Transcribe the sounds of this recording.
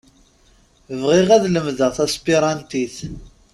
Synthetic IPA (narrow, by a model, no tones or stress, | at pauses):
vʁiʁæðləmðəʁθæspiɾˤɑnt̪iθ